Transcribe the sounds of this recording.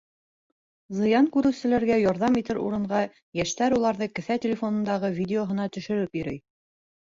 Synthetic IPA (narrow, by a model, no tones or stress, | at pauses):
zɤ̆jɑŋkʉɾɘ̆wsɘ̆læɾɡæjɒɾðɑmit̪ɘɾṵɾɤ̆ɴɢɑ | jæʃt̪æɾulˠɑɾðɤkɘ̆θæt̪ʲɪlʲefo̞nɤ̆nd̪ɑʁɤvʲidʲeoɦɤ̆nɑt̪ɵ̆ʃɘ̆ɾɘpjɵ̆ɾɘj